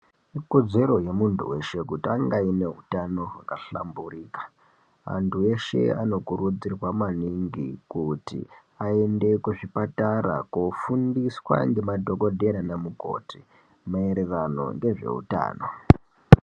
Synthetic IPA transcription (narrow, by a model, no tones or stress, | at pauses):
iko̞d͡ze̞ɾo̞je̞muntʰṵwe̞ʃe̞kutiaŋɡaine̞ɦutano̞ɦakaɬa̰mburiːkḁ | ʋa̰ntʰue̞ʃe̞̰ano̞kuɾud͡zirwamaniŋɡikutḭ | aende̞kuʐipataɾa̰kufundiswa̰ŋɡe̞madʱo̞ko̞dʱe̞ɾanamuko̞̰tʰi | maeɾe̞rano̞̰ŋɡe̞ʐe̞̰ṵta̰ːno̞